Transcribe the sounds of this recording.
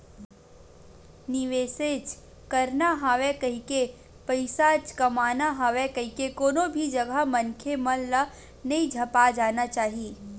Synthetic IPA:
nɪʋeːset͡ʃ | kɐɾnaɦaːʋekɐɦike | pɐɪsat͡ʃkɐmaːnaɦaːʋekɐɦikekoːnõbʱid͡ʒɐɡʱamɐnkʰemɐlːa | nɐĩd͡ʒʱɐpad͡ʒaːnat͡ʃaːɦiiː

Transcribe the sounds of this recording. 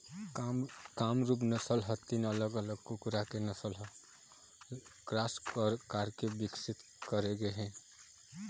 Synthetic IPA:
kamɾup̬nəsəlɦɔt̪inələɡələɡkukɾakenəsəlɦɔ | kɾasəɾkaɾkebiksit̪ | kəɾeɡeɦɛ̃

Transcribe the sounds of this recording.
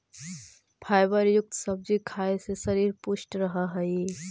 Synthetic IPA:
bʰʱaːjbəɾjʊk̚t̪sɐb̚d͡ʒikʰaːesesɐɾiːɾpʊʃʈɾɐɦaɦɛi

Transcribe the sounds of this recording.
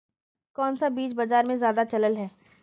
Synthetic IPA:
kɔːnsabiːt͡ʃbɐd͡ʒaːɾmẽzjaːd̪at͡ʃɐləlɦɛː

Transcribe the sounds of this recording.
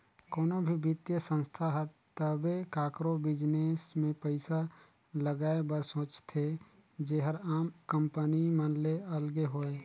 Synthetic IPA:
koːnõbʱibɪt̪jəsə̃nst̪ʰaɦɛt̪əbekaːkɾobɪd͡ʒneːsmẽpəɪsa | ləɡaːebəɾsõːt͡ʃt̪ʰe | d͡ʒeːɦəɾaːmkə̃mpənimənleɐlɡeɦoːeː

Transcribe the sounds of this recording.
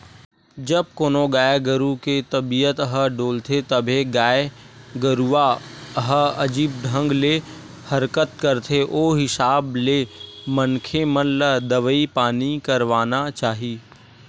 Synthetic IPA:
d͡ʒəb̚koːnõɡaːjɡəɾuket̪ɐbijət̪əɦəɖoːlt̪ʰet̪ɐbʱeɡaːe | ɡəɾuaəɦəɐd͡ʒiːb̚ɖʱə̃ŋɡle | hɐɾkət̪kəɾt̪ʰeʔoːɦɪsaːblemənkʰemənləd̪ɐʋəipaːnikəɾʋaːnat͡ʃaːɦiː

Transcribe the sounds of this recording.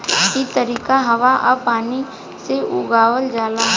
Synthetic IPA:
kit̪əɾiːkaɦɐʋaʔɐpaːni | seʔʊɡaːʋəld͡ʒaːla

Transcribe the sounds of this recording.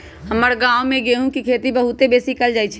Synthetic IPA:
ɦəməɾɡaomẽɡeɦũkikʰet̪ibəɦut̪ebesikəld͡ʒaːjt͡ʃʰɛ

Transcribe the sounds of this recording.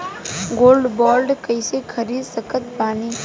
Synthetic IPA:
ɡoːlɖbɔːlɖkəɪsekʰəɾiːd̪səkət̪baːniː

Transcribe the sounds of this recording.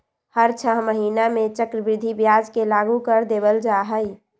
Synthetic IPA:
həɾt͡ʃʰəɦməɦiːnamẽt͡ʃəkɾəbɾɪd̪ʱibjaːd͡ʒkelaːɡukəɾd̪eːbəld͡ʒaːɦəi

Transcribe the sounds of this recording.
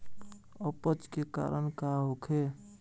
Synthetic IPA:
əpət͡ʃkeka̰ɾənkaɦokʰe

